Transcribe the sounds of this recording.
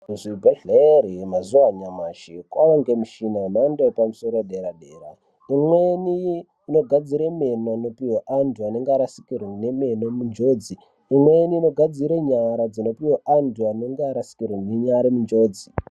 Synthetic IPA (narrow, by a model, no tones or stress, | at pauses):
ʐibʱeɮeɾimazuwaɲamaʃikwaʋaŋɡemuʃinanandepamuso̞ɾoɗeɾaɗe̞ːɾa̰ | imweniː | no̞ɡʱad͡ziɾeme̞nono̞piweʔantʰuane̞ŋɡeaɾasi̥kirwene̞me̞nomund͡ʒo̞ːd͡ziː | mweniːno̞ɡʱad͡ziɾeɲaɾad͡zino̞piweʔantʰuaneŋɡeaɾasi̥kirweneɲaɾemund͡ʒo̞ːd͡zi